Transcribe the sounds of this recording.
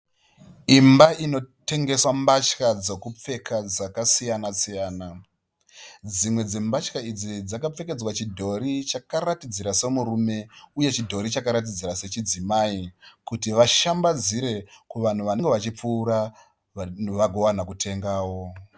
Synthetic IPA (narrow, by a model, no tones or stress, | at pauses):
imbaino̞te̞ŋɡe̞swambat͡ʃkad͡zo̞kup͡fe̞kʰad͡zakasijanasijaːna | d͡zimwe̞d͡ze̞mbat͡ʃkaid͡zid͡zakap͡fe̞ke̞d͡zwat͡ʃidʱo̞ɾit͡ʃakaratid͡ziɾase̞muɾume̞uje̞t͡ʃidʱo̞ɾit͡ʃakaɾat̬id͡ziɾase̞t͡ʃid͡zimaikutiʋaʃambad͡ziɾe̞kuʋan̤uʋanŋɡe̞ʋat͡ʃip͡fuːɾa | ʋaɡʱo̞ʋanakutʰe̞ŋɡaːwo̞